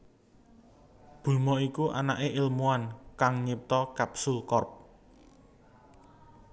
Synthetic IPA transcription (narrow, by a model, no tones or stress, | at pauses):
b̥ṳlmɔikuʔa̰naʔeʔɪlmuankaŋɲip̚t̪ɔkapsulkɔrp̚